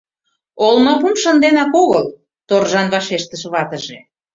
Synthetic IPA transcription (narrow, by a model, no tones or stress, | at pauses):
olmɤpumʃə̆nd̪enɑkoɣəl | t̪orʒɑnβɑʃeʃt̪əʃβɑt̪əʒe